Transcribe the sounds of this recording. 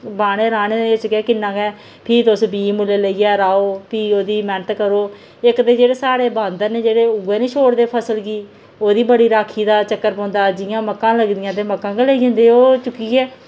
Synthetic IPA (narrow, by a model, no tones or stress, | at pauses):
baːɽ̃eːɾaːneːd̪eːɪt͡ʃkɛːkɪnːãːkɛː | pʰiːt̪ʊsbiːmʊleːləiːɛːɾaːoːpiːoːd̪iːmɛ̃ɳʈ̪kəɾoː | ɪkd̪eːd͡ʒeːɽeːsaːɽeːbãːnd̪ənẽːd͡ʒeːɽeːʊɡeːnĩːʃʰoːɽd̪eːpʰəsəlɡiː | oːd̪iːbəɽiːɾaːkʰiːd̪aːt͡ʃəkːəɾpɔ̃ːnd̪aːd͡ʒɪjãːməkːãːləɡd̪ɪjãːt̪̬eːməkːãːɡəlaiːd͡ʒãːnd̪eːoːt͡ʃʊkːiːɛː